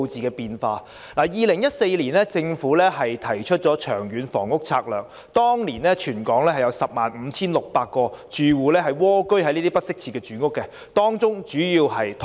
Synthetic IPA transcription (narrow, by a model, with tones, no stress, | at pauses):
wt͡siː˨kɛː˧piː˧nfaː˧ | laː˨˩jiː˨lɪ˨˩ŋjɐ˥t̚se˧jliː˨˩nlɛː˥t͡sɪ˧ŋfuː˨˥lɛː˥ɦɐ˨jt̪ʰɐ˨˩jt͡ʃʰɵ˥t̚t͡ʃɔː˨˥t͡ʃʰœː˨˩ŋɥyː˨˥nfɔ̰ː˨˩ŋʊ˥k̚t͡sʰa̰ː˧k̚lœː˨ŋ̚ | t̪ɔː˥ŋliː˨˩nɛː˥t͡ʃʰyː˨˩nkɔː˨˥ŋlɛː˥hɐ˨jɐ˨˧wsɐ˨p̚maː˨nm̩ː˨˧t͡sʰiː˥nlʊ˨k̚paː˧k̚kːɔː˧t͡ʃyː˨wuː˨˧lɛː˥ɦɐ˨jwɔː˥kɵ˥ɥhɐ˧˦niː˥t̪i˥pɐ˥t̚sɪ˥k̚t͡sʰiː˨˧˩kɛː˧t͡ʃyː˨˧˥ŋʊ˥kːɛ˧ | t̪ɔː˥ŋt͡sʊ˥ŋt͡ʃyː˨˥jiː˧wɦɐ˨jt̪ʰ